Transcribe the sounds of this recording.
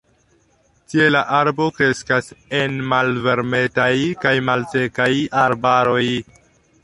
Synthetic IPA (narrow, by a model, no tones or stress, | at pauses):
tie̞laʔaɾbo̞kɾe̞skase̞nmalve̞ɾme̞tajkajmalse̞kajaɾbaɾo̞j